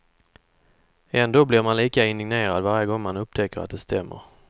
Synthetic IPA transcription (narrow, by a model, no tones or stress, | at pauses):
ɛnd̪oːblɪɾmanliːkaɪnd̪ɪɡneːɾad̪vaɾjəɡɔŋːmanɵp̚t̪ʰɛkːəɾat̪̚d̪ɛst̪ʰɛmːə̰ɾ